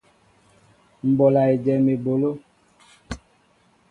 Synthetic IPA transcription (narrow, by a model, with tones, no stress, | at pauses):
m̩˨bɔ˨la˨e˨d͡ʒɛ˨me˨bo˨lo˦